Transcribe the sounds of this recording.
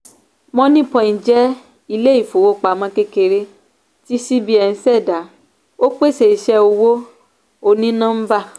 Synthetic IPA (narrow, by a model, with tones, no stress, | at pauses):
mɔ̃˦nĩ˦pɔ̃˨ĩ˨d͡ʒɛ˦ | i˧le˦i˦˨fo˨wo˦k͡pa˨mã˧˦ke˦ke˧ɾe˧ | ti˦si˦bi˦ɛ˨n̩˦sɛ˦˨da˨˦ | o˦k͡pe˦˨sɛ˨i˨ʃɛ˧o˧wo˦ | o˧˨nĩ˦nã˦m̩˦ba˦˨